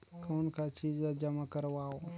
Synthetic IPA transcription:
koːnkat͡ʃiːd͡ʒad͡ʒəmakəɾʋaːo

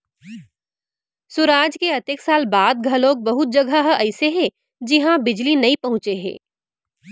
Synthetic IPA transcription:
sʊɾaːd͡ʒkeɐt̪eksaːlbaːd̪̚ɡʱɐloːk̚bɐɦʊt̪̚d͡ʒɐɡʱaɦʔɛɪseɦɛ̃ | d͡ʒɪɦãbɪd͡ʒlinɐĩpɐɦʊ̃t͡ʃeɦɛ̰̃ː

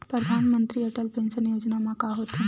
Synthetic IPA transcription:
pɾəd̪ʱaːnmə̃nt̪ɾiɐʈəlpẽːnsənjoːd͡ʒnamãkaɦoːt̪i

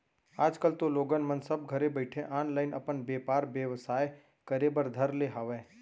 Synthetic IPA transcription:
aːd͡ʒkəlt̪oloːɡənmɐ̃nsɐb̚ɡʱɐɾebəɪʈʰẽʔaːnlaːɪnʔɐ̰pənbeːpaːɾʋjəʋsaːj | kɐɾebəɾd̪ʱɐɾleɦɐʋẽː

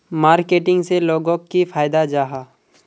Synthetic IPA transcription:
maːɾkeːʈɪ̃ŋɡseloːɡõkːifʰaːjd̪ad͡ʒaːɦaː

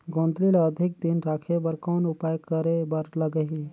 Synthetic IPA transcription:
ɡõːnd̪liləd̪ʱɪk̚d̪ɪnɾaːkʰebɐɾkɔːnʊpaːjkəɾebɐɾlɐɡəɦi

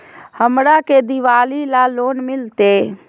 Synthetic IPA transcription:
həmɾaked̪iʋaːlilaloːnmɪlt̪e

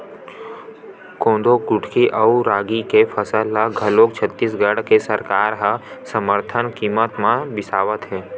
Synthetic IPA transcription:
kõːnd̪okʊʈʰkiʔəuɾaːɡikefʰəsəlːəɡʱəloːkt͡ʃʰət̪ːiːs̬ɡəɽkesəɾkaːɾɦɐsəməɾt̪ʰənkiːmət̪mãbɪsaːʋət̪ɦɛː

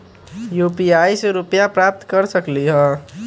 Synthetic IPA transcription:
jupiaːiseɾʊpjapɾaːp̚t̪kəɾsəkliɦə̃

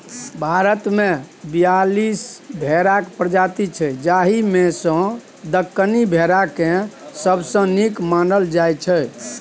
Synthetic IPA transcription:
bʱaɾət̪mebijalisbʱeɾakpɾəd͡ʒat̪it͡ʃʰɛd͡ʒaɦimesə̃ | d̪əkːənibʱeɾakẽsəbsə̃nikmanɖəld͡ʒajt͡ʃʰə

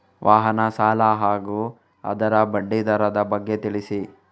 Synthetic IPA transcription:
ʋʔaːɦɐnɐsaːlaɦaːɡuː | ɐ̰d̪ɐɾɐbɐɖːid̪ɐɾɐd̪ɐbɐɡːet̪iɭisi

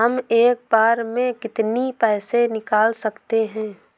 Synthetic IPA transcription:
ɦəmeːk̚baːɾmẽkɪt̪nipɛːsenɪkaːlsɐkt̪eɦɛ̃ː

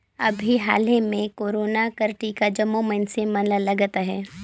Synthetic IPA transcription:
ɐbʱiɦa̰ːlemẽkoːɾoːnakɐɾʈikad͡ʒɐmomənsemɐnlalɐɡat̪aɦɛː

